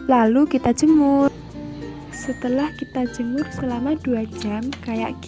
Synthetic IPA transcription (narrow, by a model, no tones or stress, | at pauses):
lalukit̪ad̥ʒ̥ə̤mʊr | sət̪əlahkit̪ḁd͡ʒ̥ə̤mʊrsəlamad̪̥uḁd͡ʒamkaja̰ʔk